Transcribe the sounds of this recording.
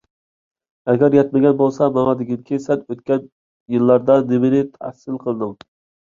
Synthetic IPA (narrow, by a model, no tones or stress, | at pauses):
æɡʲɛɾjɛt̪̚mɪɡʲɛnbolˠsɑmɑmɑd̪ɪɡʲinkʲʰisɛnøt̪̚kʲɛn | jɨlˠːɑɾd̪ɑnɪmɪnɪt̪ʰæ̰hsɪlˠqʰəlˠɨd̪ɨm